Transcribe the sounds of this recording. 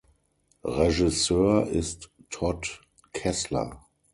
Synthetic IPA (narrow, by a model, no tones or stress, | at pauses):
ʁɛʒɪsøːɐʔɪstːʰɔt | kʰɛslɐ̰